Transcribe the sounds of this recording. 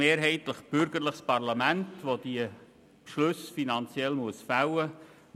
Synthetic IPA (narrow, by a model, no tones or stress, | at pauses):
eːɾɦɛɪtləχb̥ʏɾɡ̥əɾləχspɑɾlɑmæntʋod̥iə | pʃlɵsfinɑnt͡sjɛlmuəsfawə